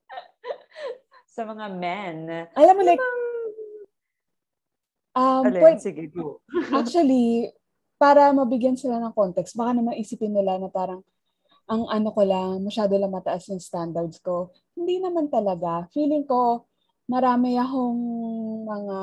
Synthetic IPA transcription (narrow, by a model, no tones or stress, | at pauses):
sɐmɐŋamɛnʔɐlamːola | ʔɐmpwɛsɡ | ʔak̚t͡ʃuwɐli | paːɾɐmɐbɪɡjansɪlanɐŋkont̪ɛkst̪̚bɐkanɐmɐŋʔɪsipɪnːɪlanɐpaːɾɐŋ | ʔɐŋʔɐnokolɐmɐʃaːd̪olɐŋmɐt̪ɐʔasnɐŋst̪and̪ɐɾd̪sko̞ | hɪnd̪inɐmant̪ɐlɐɡafiːlɪŋko̞ | mɐɾaːmɪɐɦoŋmɐŋa